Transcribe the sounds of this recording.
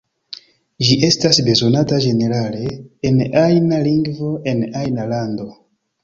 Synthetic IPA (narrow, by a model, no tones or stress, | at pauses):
d͡ʒiʔe̞stasbe̞zo̞natad͡ʒe̞ne̞ɾale̞ːnajnaliŋɡvo̞ʔe̞najnalando̞